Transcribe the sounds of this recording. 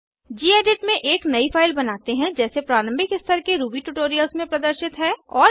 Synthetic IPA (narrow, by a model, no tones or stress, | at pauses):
d͡ʒiːeːɖɪʈmẽʔeːknɐifʰaːɪlbɐnaːt̪eɦɛ̃d͡ʒɛːsepɾaːɾə̃mbɪkɪst̪ʰəɾkeɾuːbiʈuʈoːɾijəlsmẽpɾɐd̪əɾʃɪt̪ɦɛːɔːɾ